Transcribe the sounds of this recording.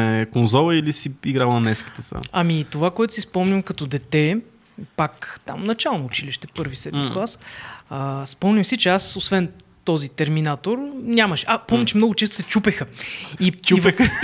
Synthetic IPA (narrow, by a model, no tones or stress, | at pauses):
ɛkonzɔlˠəilisiiɡɾalˠnɛski̥t̪ɛt̪sa̰ɐmit̪ovakoɛt̪ʊ̥sispɔmnʲimkɐt̪ɔd̪ɛt̪ɛ | pakt̪a̰mnɐt͡ʃalˠnoːt͡ʃiliʃt̪ɛpɤɾvisɛd̪miklˠasəspɔmnʲimsit͡ʃɛasosvɛnt̪ɔzit̪ɛɾminat̪oɾnʲaməʃapɔmnʲit͡ʃɛmnɔɡʊt͡ʃɛst̪ʊ̥sɛt͡ʃupɛxəit͡ʃupɛ